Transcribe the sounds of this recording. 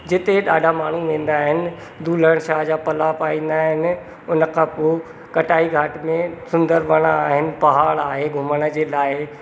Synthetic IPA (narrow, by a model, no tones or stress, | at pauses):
d͡ʑɪt̪eɗaːɖʱamaːɳ̤uʋẽːn̆d̪aːɦɪnɪ̆ | d̪ʱuːləɽ̃ʃaːɦd͡ʑaːpɐlapaːĩːn̆d̪aːɦɪnɪ̆ | ʊnəkʰãːpoː | kɐʈaːiɡʱaːʈmẽsʊ̃nd̪əɾʋɐɽ̃aaːɦɪnɪ̆pɐɦaːɭaːɦeɡʱʊməɽ̃ə̆d͡ʑeːlaːɪ